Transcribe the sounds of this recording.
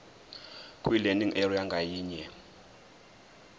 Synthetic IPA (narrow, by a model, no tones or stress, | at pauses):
kʼwilɛndiŋʔɛriaŋɡʱajiːɲɛ